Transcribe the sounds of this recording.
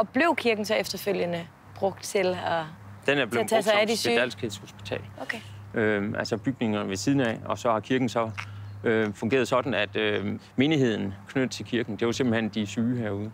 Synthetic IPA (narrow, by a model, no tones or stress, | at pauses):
ɒ̽b̥le̝ʊ̰kʰiɐɡ̥n̩sɒ̽efd̥ɐføl̰jənə | b̥ʁɔ̽ɡ̥̚d̥t͡sʰe̝lɒ | d̥enæɐb̥leɛsɑædi̥æl̰sɡ̥ʰheðˠsho̝sb̥i̥t͡sʰɛ̰ːlkʰ | ʔøʔælsɒb̥yɡ̥̚ne̝ŋɐnʋe̝siːð̞ˠn̩ɛ̰ɒ̽sɒ̽hɑ̈kʰiɐɡ̥n̩sɒ̽øfɔŋɡe̝̰ːɐð̞ˠsɒ̽d̥n̩æd̥øme̝ːniɦe̝ð̰ˠn̩kʰnød̥̩ˠt͡sʰe̝lkʰiɐɡ̥n̩d̥e̝ʋɑse̝mb̥l̩hen̰d̥isyːɦæɐ̰uːðˠ